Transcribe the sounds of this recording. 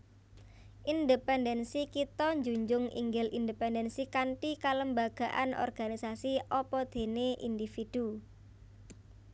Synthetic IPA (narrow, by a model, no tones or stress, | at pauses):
ʔind̪epɛndɛnsikit̪ɔɲd͡ʒuɲd͡ʒʊŋḭŋɡɪlʔind̪epɛndɛnsikaɳʈikaləmbaɡ̥a̤ʔanʔɔ̰rɡ̥anisasiɔpɔd̪̥e̤neʔḭnd̪ifid̪̥u